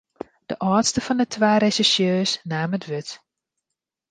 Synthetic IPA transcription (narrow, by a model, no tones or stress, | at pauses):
d̥əʔɔːtstəfɔndətʰʋaːɾesisjøːsnaːmətʋʏt